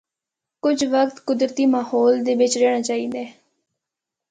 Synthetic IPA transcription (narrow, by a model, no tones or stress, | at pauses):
kʊd͡ʒʋəkt̪kʊd̪ɾət̪iːmaːhɔːld̪eːʋɪt͡ʃɾeːɽ̃aːt͡ʃaːiːd̪ɛː